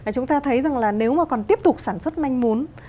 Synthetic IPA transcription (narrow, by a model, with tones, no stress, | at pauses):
aː˨˩t͡ɕʊ˨˦ŋ͡mt̪aː˧t̪ʰə˨˦jza˨˩ŋlaː˨˩ne˨˦wmaː˨˩kɔ˨˩nt̪i˦˥əp̚t̪ʊ˨˩k͡p̚saː˧˩nswə˦˥t̚ma˧jŋ̟mu˨˦n